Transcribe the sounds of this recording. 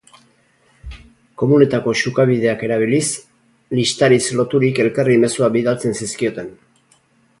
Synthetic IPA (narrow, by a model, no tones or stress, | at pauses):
ko̞mune̞t̪ako̞ʃukaβið̞e̞ake̞ɾaβ̞ilis | list̪aɾislo̞t̪uɾike̞lkarime̞suabiðalt͡se̞nsiskio̞t̪e̞n